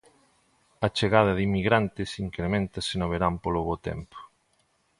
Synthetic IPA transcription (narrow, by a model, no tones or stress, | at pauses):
ɐt͡ʃeɣað̞ɐðimːiɣɾant̪ɪsiŋkɾemẽnt̪ɐsenoβeɾampoloβot̪ɛ̰mpo̥